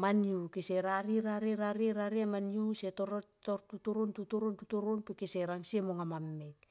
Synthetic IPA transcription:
maniukiseɾaɾiɾaɾiɾaɾiɾaɾiamaniusetoɾotoɾtutuɾontutuɾontutuɾonpikiseɾaŋsiemoŋamamːet

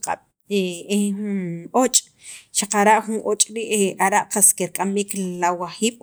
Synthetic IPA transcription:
qʼa̰ɓ | eunot͡ʃʼ | ʃaqaɾaʔχunʔot͡ʃʼɾiʔaɾaʔqaskeɾkʼamiːklawaχiːɓ̥

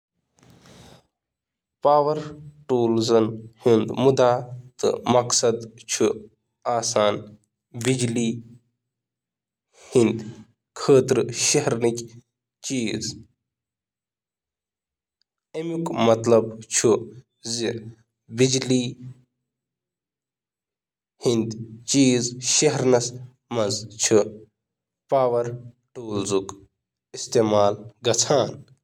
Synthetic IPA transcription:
paːʋɐɾʈuːlzɐnhind̪mud̪aːt̪ɨ̰mɐksɐd̪t͡ʃʰu | aːsaːn | bid͡ʒliː | hind̪ | kʰəːt̪ɾɨʃɐɦɾnikʲ | t͡ʃiːz | emukmɐt̪lɐbt͡ʃʰu | zi | bid͡ʒli | hind̪t͡ʃiːzʃɐɦɾnɐs | mɐnzt͡ʃʰu | paːʋɐɾ | ʈoːlzuk | ist̪eːmaːlɡɐt͡sʰaːn

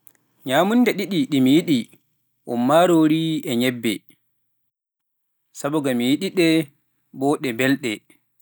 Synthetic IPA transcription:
ɲaːmundɛɗiɗiɗimijiɗi | ʔɔ̰mːaɾoːɾiɛɲɛbːɛ̰ | sabɔɡamijiɗiɗɛ | bɔːɗɛbɛlɗɛ

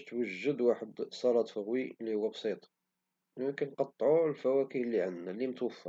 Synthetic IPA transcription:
ʃt̪wəʒːəd̪waħəd̪sˤɑɾˤɑt̪ˤfəɣwilːihʊwːæbsit̪ˤ | jəmkænqɑt̪ˤːʕulfæwækihlːiʕannælːimət̪wəfːɑ

